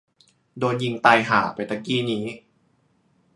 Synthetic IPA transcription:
doː˧nji˧ŋt̪a˧jɦaː˩˦pa˧jt̪a˧˥kiː˥˩niː˦˥

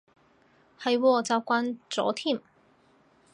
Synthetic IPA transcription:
hɐ˨jwɔː˧˩t͡saː˨˧wkʷaː˧nt͡sɔ̰ː˨˥t̪ʰiː˥˩m

